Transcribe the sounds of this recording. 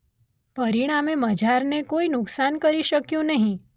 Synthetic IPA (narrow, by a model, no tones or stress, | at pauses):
pəɾiɽ̃ameməd͡ʒaɾnekoinʊksankəɾiʃəkjũnəɦĩ